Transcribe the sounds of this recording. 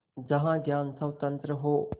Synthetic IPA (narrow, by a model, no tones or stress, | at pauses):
d͡ʒɐɦãɡjaːnsɐwt̪ɐ̃nt̪ɾəɦoː